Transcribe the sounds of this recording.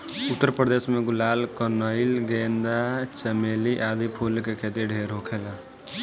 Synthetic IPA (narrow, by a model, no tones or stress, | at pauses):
ut̪ːəɾpɾəd̪esmeɡulalkənəɪlɡend̪at͡ʃəmeliʔad̪ipʰulkekʰet̪iɖʱeɾɦokʰela